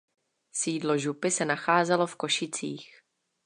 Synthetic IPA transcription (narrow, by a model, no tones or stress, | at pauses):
siːdlo̞ʒupɪsɛnaxaːzɛlo̞fko̞ʃɪt͡siːx